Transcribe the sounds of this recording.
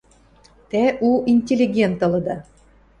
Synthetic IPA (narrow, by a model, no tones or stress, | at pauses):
t̪æʔuinʲtʲelʲːiɡʲent̪ɤ̆lɤ̆d̪ɑ